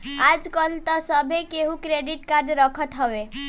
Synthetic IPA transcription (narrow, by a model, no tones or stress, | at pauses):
ad͡ʒkəlt̪ɔsəbʱekeɦũkɾeɖiʈkaɾɖɾəkʰət̪ɦəʋe